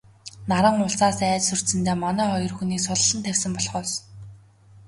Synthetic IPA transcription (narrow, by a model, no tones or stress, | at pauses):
naɾə̆ŋʊɬsaːsæːt͡ɕsɵr̥t̪sɘ̆nt̪eːmanæːχɔjɞ̆rxuniːksʊɮə̆ɮə̆nt̪ʰæwʲsə̆mpɔɮχɔːs